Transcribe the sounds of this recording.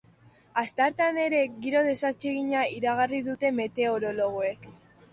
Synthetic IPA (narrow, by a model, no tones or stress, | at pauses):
ast̪aɾt̪ane̞ɾe̞ɣiɾo̞ð̞e̞sat͡ʃe̞ɣiɲaiɾaɣariðut̪e̞me̞t̪e̞o̞ɾo̞lo̞ɣ̞oe̞k